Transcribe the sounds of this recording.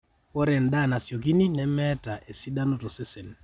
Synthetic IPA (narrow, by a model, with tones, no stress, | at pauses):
kɔ˦ɾɛ˨nda˦˨na˨sjo˨k̬i˦ni˦nɛ˨mɛ˦ta˨ʔe˨si˦da˦no˨to˨se˦se˨n